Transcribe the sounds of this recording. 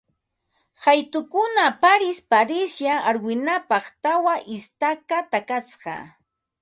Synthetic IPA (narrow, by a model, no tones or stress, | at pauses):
hajt̪ʊkʊnapaɾɪspaɾɪsjaaɾwɪnapɑχt̪awaʔɪst̪akat̪akasɢɑ̰